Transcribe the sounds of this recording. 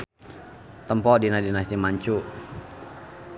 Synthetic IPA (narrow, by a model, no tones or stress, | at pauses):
t̪əmpɔʔdinadinasdimaɲt͡ʃuʔ